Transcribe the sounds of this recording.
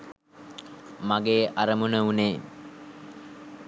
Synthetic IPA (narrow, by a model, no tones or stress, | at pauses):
maɡeːʔaɾəmunəuneː